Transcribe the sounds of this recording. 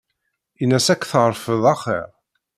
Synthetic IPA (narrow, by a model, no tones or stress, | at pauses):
inːæsækːθəʁɾˤfəðˤɑχə̰ɾ